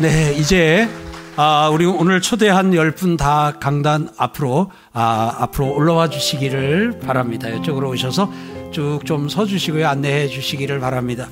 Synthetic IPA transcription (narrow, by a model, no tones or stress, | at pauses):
ne̞id͡ʑe̞ | ʌuɾionɯɭt͡ɕʰode̞ɦanjʌɭp͈untakaŋdana̰pʰɯɾo | aapʰɯɾoːɭːʌwad͡ʑuɕʰiɡiɾɯɭpaɾamɲidajʌt͡ɕ͈oɡɯɾooɕ̬ʰʌsʰʌt͡ɕok̚t͡ɕ͈omsʰʌd͡ʑuɕʰiɡojoanːe̞ɦe̞d͡ʑuɕʰiɡiɾɯɭpaɾamɲida